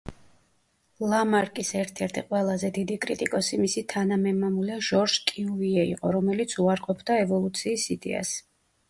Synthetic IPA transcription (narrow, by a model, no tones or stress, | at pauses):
lˠamaɾkʼisɛɾt̪ʰɛɾt̪ʰiqʼwɛlˠazɛd̪id̪ikʼɾit̪ʼikʼɔsimisit̪ʰanamɛmamulɛʒ̥ɔɾʒkʼiuiɛḭqʼɔɾɔmɛlit̪sʰuaɾqʼɔbd̪aɛvɔlˠut̪sʰiːsid̪ɛ̰a̰s